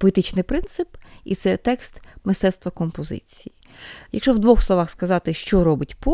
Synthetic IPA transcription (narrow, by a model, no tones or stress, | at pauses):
pɔet̪ɪt͡ʃnɪjpɾɪnt̪sɪpḭt̪sɛt̪ɛkst̪mɪst̪ɛt̪st̪ʋɐkɔmpɔzɪ̰t͡sʲiji | jɐkʃɔwd̪ʋɔxslˠɔʋɑxskɐzɑt̪ɪʃt͡ʃɔɾɔbɪtʲpɔ